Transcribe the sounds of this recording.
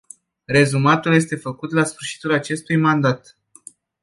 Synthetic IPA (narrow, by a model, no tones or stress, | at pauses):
ɾe̞zumat̪ulje̞s̬t̪e̞fəkut̪lasfɨrʃi̥t̪ulat͡ʃe̞st̪ujmand̪at̪